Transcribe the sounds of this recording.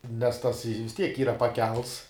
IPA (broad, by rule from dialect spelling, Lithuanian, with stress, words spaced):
nʲɛs tɐs ɪ ʋʲɪs ˈtʲiɛk ˈiːrɐ pɐˈkʲɛlˠts